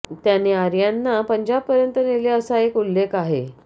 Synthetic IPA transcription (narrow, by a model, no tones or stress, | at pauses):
t̪janeaɾjanːapəɲd͡ʑab̚pəɾjənt̪əneleəsaekulːekaɦḛ